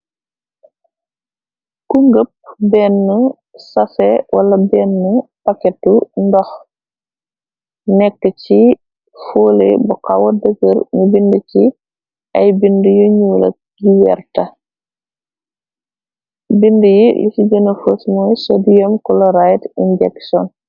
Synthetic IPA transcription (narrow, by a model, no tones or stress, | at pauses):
kuŋɡəp̚bɛnːə | sɐsɛwʔɐlɐbɛːnːəpɐkɛt̚undɔx | nɛkːəci | foːlḛbuqawɐdəɡəɾɲubindəci | ʔɐjbindujuɲuːlɐ̰ | ɡiwɛ̰rtɐ | bindəjilisiɟɐnɐfosmɔjsɔdijɔmkɔlɔɾajtinɟɛksɔn